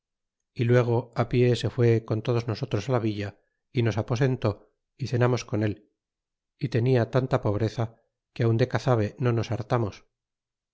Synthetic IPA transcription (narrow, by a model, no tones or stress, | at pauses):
ilwe̞ɣ̞o̞apje̞se̞fwe̞ko̞nt̪o̞ð̞ozno̞so̞t̪ɾosalaβiʎa | ino̞sapo̞se̞nt̪o̞ | iθe̞namo̞sko̞ne̞l | it̪e̞niat̪ant̪apo̞β̞ɾe̞θa | keawnd̪e̞kaθaβ̞e̞no̞no̞saɾt̪amos